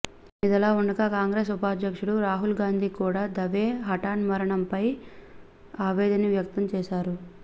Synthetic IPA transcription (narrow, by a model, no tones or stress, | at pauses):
id̪ɐlaːuɳɖɐkɐkaːŋɡɾeːsupaːd̪jɐkʂuɽuɾaːɦulɡaːnd̪ʱiːkuːɽaːd̪ɐʋeːɦɐʈaːnmɐɾɐɳɐmpɐj | aːʋɛːd̪ɐniʋjɐk̚t̪ɐmt͡ʃɛːʃaːɾu